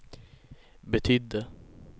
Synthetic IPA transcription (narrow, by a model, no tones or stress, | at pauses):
bɛt̪ʰʏd̪ə